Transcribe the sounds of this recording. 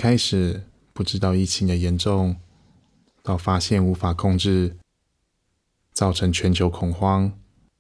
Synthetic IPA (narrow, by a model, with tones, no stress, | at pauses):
kʰa˥ɪʂɻ̩˨˩ | pu˥˩ʈ͡ʂɻ̩˧˥t̪ɑ˥˧ʊi˥˩t͡ɕʰi˧˥ŋd̪ə˧jɛ˧˥nʈ͡ʂʊ˥˧ŋ | t̪ɑ˥˩ʊfa˥ɕjɛ˥˩nu˧˥fa˨˩kʰʊ˥˧ŋʈ͡ʂɻ̩˥˧ | t͡sɑ˥˩ʊʈ͡ʂʰɤ˧˥ŋt͡ɕʰɥɛ˧˥nt͡ɕʰjo˧˥ʊkʰʊ˨˩ŋxwɑ˦˥ŋ